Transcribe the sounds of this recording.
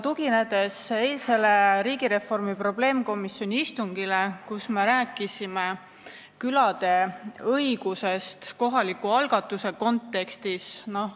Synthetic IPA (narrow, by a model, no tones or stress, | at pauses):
t̪uɡine̞d̪̥e̞se̞lse̞le̞ɾiːɡiɾe̞fo̞rmipro̞ble̞ːmko̞misjo̞nʲiist̪uŋɡile̞kusme̞ɾæːkːˑisime | kylɑd̪̥e̞ɤiɡ̥use̞st̪ko̞ɦɑlikːuɑlɡ̥ɑt̪ːˑuse̞ko̞nt̪ːe̞kst̪isno̞